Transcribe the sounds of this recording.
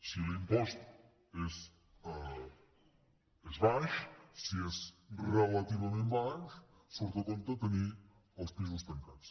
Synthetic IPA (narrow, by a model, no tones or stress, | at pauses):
silimpɔst̪ | ɛs | ɛzβaʃsiɛsrelat̪iβɐmẽnt̪baʃ | soɾt̪ɐkont̪ɐt̪əni | ɐlˠspiz̬ust̪ɐŋkat̪s